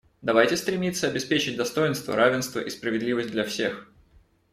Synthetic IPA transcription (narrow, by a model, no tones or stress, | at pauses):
d̪ɐvajtʲɪst̪ɾʲɪmʲit̪sːəɐbʲɪspʲet͡ɕɪt̚ʲd̪ɐst̪o̞jɪnst̪və̰ɾavʲɪnst̪və̰ʔispɾəvʲɪd̪lʲivəsʲtʲd̪lʲɐfsʲe̞x